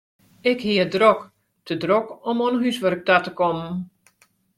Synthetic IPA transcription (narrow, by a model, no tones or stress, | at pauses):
ɪkhiədrok | tədrokɔmonəɦysʋørk̚tatəkɔmən